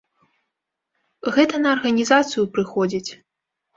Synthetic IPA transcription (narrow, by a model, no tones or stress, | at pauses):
ɣɛt̪ɐnɐːrɣɐnʲizat̪sɨjupɾɨxɔd͡zʲit͡sʲ